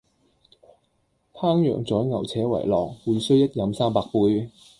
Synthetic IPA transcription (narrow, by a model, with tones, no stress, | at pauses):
p̪ʰaː˥ŋjœ̰ː˨˩ŋt͡sɔː˨˥jŋɐ˨˩wt͡sʰɛː˨˥wɐ̰˨˩jlɔː˨˩ŋ̚wuː˨˧jsɵ˥ɥjɐ˥t̚jɐ˨˥msaː˥mpaː˧k̚puː˧j